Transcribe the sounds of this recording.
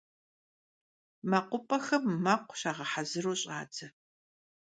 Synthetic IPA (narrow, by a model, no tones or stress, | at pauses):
mɐqʷʊpʼɐxɐmːɐqʷɕaːʁɐħazɨroːɕʼa̰ːd͡zʰɐ